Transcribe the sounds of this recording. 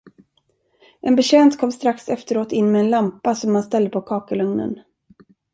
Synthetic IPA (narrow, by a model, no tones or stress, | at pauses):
ʔɛnbɛɕɛːnt̪kʰɔmːst̪ɾaksɛft̪əɾoːt̪ɪnːmɛɛnlampasɔmːanst̪ɛld̪əpʰokʰɑːkəlɵŋnə̰n